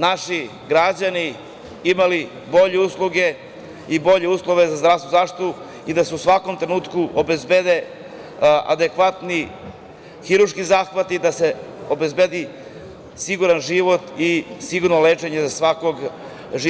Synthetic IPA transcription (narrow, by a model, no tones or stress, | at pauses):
naʃi | ɡɾad͡ʑani | imali | bo̞ʎeuslˠuɡe̞ | ibo̞ʎe̞uːslˠo̞ʋe̞zazd̪ɾavst̪vuzaːfʃt̪itt̪u | id̪ase̞usʋako̞mt̪ɾenuːt̪kuʔobe̞zbed̪e̞ | a̰d̪ekʋat̪ni | xiɾuɾʃkizaːxʋat̪id̪ase̞o̞be̞zbed̪i | siɡuɾanʒiʋo̞t̪isiɡuɾnoleːt͡ʂe̞ɲe̞zasʋako̞ɡ | ʒi